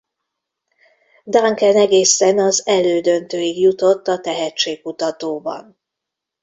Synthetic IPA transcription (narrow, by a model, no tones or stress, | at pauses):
d̪aŋkɛnɛɡeːsɛnɒzɛløːd̪ø̞nt̪øːjiɡjut̪o̞t̪ːɒt̪ɛɦɛtt͡ʃeːk̚kut̪ɒt̪oːbɒ̰n